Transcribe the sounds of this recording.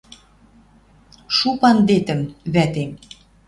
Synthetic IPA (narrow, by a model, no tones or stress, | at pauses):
ʃupɑnd̪et̪ə̆mβæt̪em